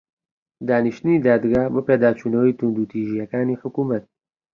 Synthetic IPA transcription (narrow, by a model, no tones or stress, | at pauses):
d̪aːniʃt̪ɨniːd̪aːd̪ɡaːhbɨpeːd̪aːt͡ʃʰunɐwiːt̪ʰund̪uːt̪ʰiːʒijɛkaːniːħʊkuːmɐt̪̚